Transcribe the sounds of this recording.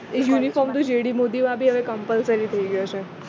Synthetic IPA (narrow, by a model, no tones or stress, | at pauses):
ejunifɔmt̪ud͡ʒeɽimod̪imãbʱiɦəʋekəmpəlsəɾit̪ʰəiɡəjot͡ʃʰe